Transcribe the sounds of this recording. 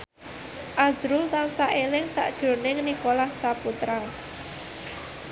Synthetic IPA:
ʔazɾʊlt̪aŋsaʔelɪŋsa̰ʔd̥ʒ̥o̤nɪŋnikolahsaput̪ɾa

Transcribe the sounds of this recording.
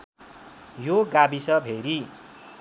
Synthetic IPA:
joɡabisʌbʱeɾi

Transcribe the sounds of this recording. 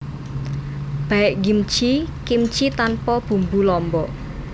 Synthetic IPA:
b̥a̤ɪʔɡimt͡ʃikimt͡ʃit̪anpɔb̥ṳmbulɔmbɔ

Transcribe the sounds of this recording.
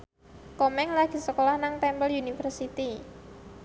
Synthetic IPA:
kɔmɛŋlaɡ̥i̤səkolahnaŋt̪ɛmbəljunifərsit̪i

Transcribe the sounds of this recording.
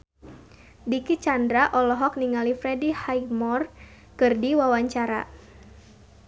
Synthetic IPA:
dikit͡ʃandɾaʔɔlɔɦɔk̚niŋalifɾɛdihajmɔr | kɨrdiwawaɲt͡ʃaɾa̰

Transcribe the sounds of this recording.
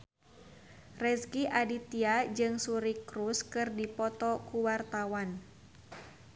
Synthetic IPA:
rɛskiʔadit̪iad͡ʒɨŋsuɾikɾuskɨrdipɔt̪ɔkuwart̪awan

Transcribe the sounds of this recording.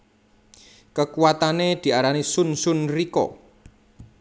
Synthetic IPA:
kəkuwat̪aned̪̥i̤aɾanisunsʊnrikɔ̰

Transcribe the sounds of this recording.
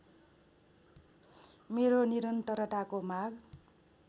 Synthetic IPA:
meɾoniɾʌnt̪ʌɾʌʈakomaɡ

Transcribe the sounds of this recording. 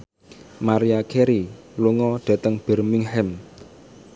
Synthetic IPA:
maɾiakʰeɾiluŋɔɖ̥ä̤t̪əŋb̥ɛ̤rmɪŋhɛm

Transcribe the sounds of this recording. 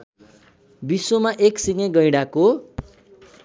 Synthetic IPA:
bisomaʔeksiŋeɡʌjɽako

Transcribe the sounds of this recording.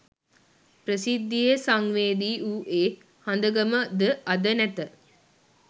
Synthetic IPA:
prəsid̪ːijesaŋʋeːd̪iːʔuːʔeː | hand̪əɡəməd̪əad̪ənæt̪ə

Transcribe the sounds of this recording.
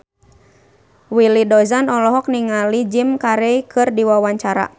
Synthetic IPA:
wilidɔzanɔlɔɦɔk̚niŋalid͡ʒimkaɾeikʰɨrdiwawaɲt͡ʃaɾa̰

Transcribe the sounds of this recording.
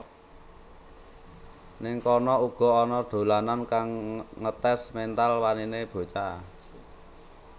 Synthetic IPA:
nɪŋkɔnɔuɡ̥ɔ̤ɔnɔɖ̪̥o̤lanankaŋːət̪ɛsmɛnt̪alwanineb̥o̤t͡ʃa

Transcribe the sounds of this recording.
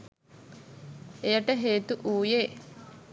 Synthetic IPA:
ejəʈəɦeːt̪uʔuːjeː

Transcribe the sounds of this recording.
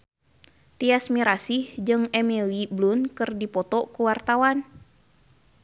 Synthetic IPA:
t̪iasmiɾasihd͡ʒɨŋɛmiliblunkɨrdipɔt̪ɔkuwart̪awan

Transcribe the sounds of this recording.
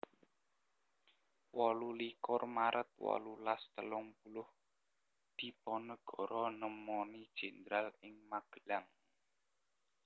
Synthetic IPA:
wɔlulikʊrmaɾʔət̪̚wɔ̰lulast̪əlʊŋbulʊh | d̪̥i̤pɔnəɡ̥ɔ̤ɾɔnəmɔnid̥ʒ̥ɛnd̪ɾalɪŋmaɡ̥əlaŋ

